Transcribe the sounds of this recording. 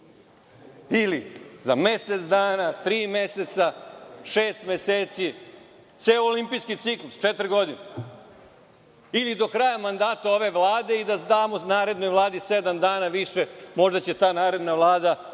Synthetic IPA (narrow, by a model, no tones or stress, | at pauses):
ilizame̞set̪sd̪aːnat̪ɾiːme̞set̪saʃeːst̪meseːt̪si | t̪seoːlimpiːskit̪siklust͡ʃet̪ɾiɡo̞d̪ine | ilid̪o̞kɾajamand̪aːt̪ao̞ʋe̞ʋlaːd̪e̞id̪ad̪aːmonaːɾe̞d̪no̞jʋlˠaːd̪ised̪amd̪aːnaʋiʃemo̞ʒd̪at͡ɕet̪aːnaːɾe̞d̪naʋlˠaːd̪a